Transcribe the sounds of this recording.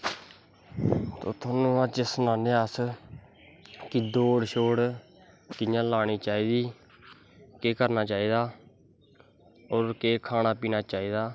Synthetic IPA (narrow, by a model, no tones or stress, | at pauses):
t̪o̰ːt̪ʰoːnũːãːt͡ʃɪsnaːneas | kɪd̪oːɽʃoːɽ | kɪjãːlaːñiːt͡ʃaːiːd̪iː | keːkəɾnaːt͡ʃaːiːd̪aː | oːɾkeːkʰaːnaːpiːnaːt͡ʃaːiːd̪aː